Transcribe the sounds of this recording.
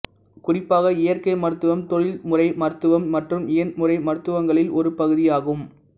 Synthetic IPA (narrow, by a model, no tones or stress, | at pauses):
kʊrɪpːaːɣɐɪjɐɾkɐɪmɐɾɯt̪ːɯʋɐmt̪ɔɭɪlmʊrɐɪmɐɾɯt̪ːɯʋɐmːɐʈrɯmɪjɐnmʊrɐɪmɐɾɯt̪ːɯʋɐŋɡɐɭɪlʔɔɾɯpɐɣɯðɪjaːɣɯm